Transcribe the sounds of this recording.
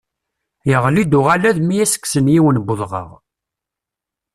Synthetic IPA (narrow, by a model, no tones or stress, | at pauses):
jəʁlid̪ʊʁalæðmijæsə̥kːsənjiwənbʊðˤʁə̰ʁ